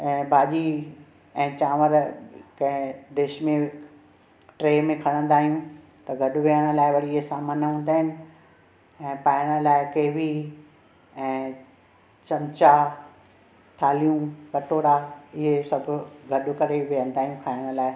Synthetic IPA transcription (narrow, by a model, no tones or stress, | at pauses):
ɛ̃ːbʱaːʄi | ɛ̃ːt͡ɕãːʋəɾkɐ̃ɦɪ̃ɖɪʃmẽ | ʈɾeːmẽkʰɐɽ̃ə̃nd̪aːɦijũ | t̪ɐɡʱɐɗʊʋijəɽ̃ə̆laːɪʋɐɽiesaːmənɦũːnd̪aːɦɪnɪ̆ | ɛ̃ːpaːɪɽ̃ə̆laːɪkeːʋi | ɛ̃ː | t͡ɕɐ̃mt͡ɕa | t̪ʰaːlijũkɐʈoːɽaɪɦesɐbʱʊɡʱɐɗʊ̆kɐɾeʋijə̃nd̪aːɦijũkʰaːɪɽ̃ʊ̆laːɪ